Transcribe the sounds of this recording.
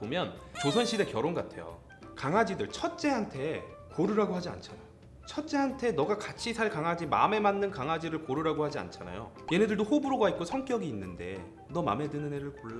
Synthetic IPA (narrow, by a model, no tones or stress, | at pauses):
pomjʌnt͡ɕosʰʌnɕʰiɾe̞kjʌɾonɡatʰe̞jo̰ | kaŋɦad͡ʑidɯɭt͡ɕʰʌt̚t͡ɕ͈e̞ɦantʰe̞ | koɾɯɾaɡohad͡ʑia̰nt͡ɕʰanajo | t͡ɕʰʌt̚t͡ɕ͈e̞ɦantʰe̞nʌɡakat͡ɕʰisʰaɭkaŋɦad͡ʑima̰me̞manːɯnkaŋɦad͡ʑiɾɯɭkoɾuɾaɡohad͡ʑia̰nt͡ɕʰana̰jo̰ | jenedɯɭdohobɯɾoɡait̚k͈osʰʌŋk͈jʌɡiːnːɯnde̞ | nʌma̰me̞dɯnɯneɾɯɭko